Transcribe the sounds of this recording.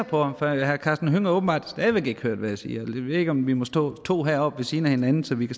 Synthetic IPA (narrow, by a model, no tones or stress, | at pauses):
ɐpʰɒ̽ɑmfɒhæɐkʰɑːsd̥n̩ɦøŋɐɔːb̥m̩bɑ̰̈ːd̥d̥æʋe̝ɡ̥e̝ɡ̥høɐ̰d̥ʋææsḭːæld̥eʋe̝ðe̝ɡ̥əɒ̽mʋimɒ̽sd̥ɔ̰ːt͡sʰo̝̰ːɦæɐ̰ɒ̽b̥ʋe̝siːnæhe̝nænn̩sɒ̽ʋikʰæ